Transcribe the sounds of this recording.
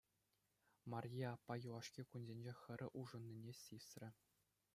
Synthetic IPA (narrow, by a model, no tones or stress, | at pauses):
mɑrʲjiɑpːɑjuɑʂkʲikunzʲenʲd͡ʑexʲɘ̆ɾʲɘ̆ʔuʐɤ̆nʲːinʲesʲisʲrʲɘ̆